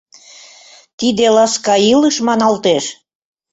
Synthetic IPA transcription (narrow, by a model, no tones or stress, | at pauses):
t̪id̪elɑskɑiləʃmɑnɑlt̪eʃ